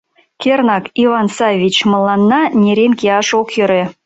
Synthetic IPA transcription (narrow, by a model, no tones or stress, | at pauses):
kʲernɑkivɑnsɑjvʲit͡ɕmɤ̆lˠːɑnːɑnʲeɾʲenkʲeɑʃokjɤɾʲe